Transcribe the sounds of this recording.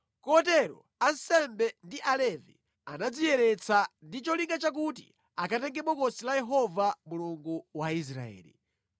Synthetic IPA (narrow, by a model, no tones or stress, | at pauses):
kɔtɛɾɔ̰ | ansɛmbɛndiʔalɛvḭ | anad͡zijɛɾɛt͡sandit͡ʃɔliŋɡat͡ʃak̬ut̬ḭ | akatɛŋɡɛɓɔkɔsilajɛɦɔvamuluŋɡuwais̬ɾa̰ɛ̰ːli